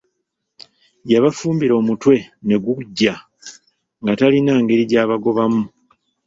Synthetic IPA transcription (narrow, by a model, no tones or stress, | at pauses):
jaβafuːmbiɾo̞ːmutwe̞ne̞ɡuɟːa | ŋɡatalinaːŋɡe̞ɾiɟaːβaɡo̞βamu